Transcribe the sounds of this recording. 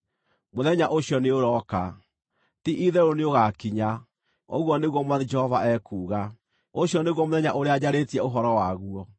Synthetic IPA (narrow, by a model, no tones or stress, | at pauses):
moðɛɲaʔoɕjɔneoɾɔka | tiʔiðɛɾoneoɣakiɲa | o̰ɣwɔneɣwɔmwad͡ʒɛhɔvaɛkuːɣa | oɕjɔneɣwɔmoðɛɲaʔoɾead͡ʑaɾetiɛoɦɔɾɔwaɣuɔ